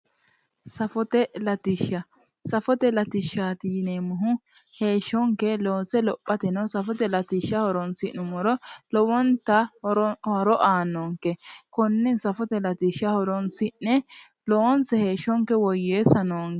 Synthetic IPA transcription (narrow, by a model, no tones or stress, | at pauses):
sɐfɔt̪ɛlɐt̪ɪʃːɐ | sɐfɔt̪ɛlɐt̪ɪʃːaːt̪ɪjɪnemʊɦʊ | he̞ːʃːɔŋkɛloːsɛlɔpʼːɐt̪ɛnɐwsɐfɔt̪ɛlɐt̪ɪʃːɐhɔɾɔnsɪʔnʊmɔɾɔlɔwɔnt̪ɐhɔɾɔʔaːnoːŋkɛkɔnːɛnsɐfɔt̪ɛlɐt̪ɪʃːɐhɔɾɔnsɪʔnɛ | lɔɔnsɛheːʃːɔŋkɛwɔjːeːsɐnoːŋ